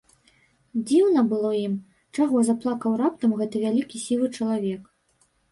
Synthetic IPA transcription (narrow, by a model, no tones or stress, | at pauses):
d͡zʲiwnɐbɨlˠɔjim | t͡ʂaɣɔzaplˠakɐwɾap̚t̪ɐmɣɛt̪ɨvʲalʲikʲisʲilˠɨt͡ʂɐlˠavʲɛk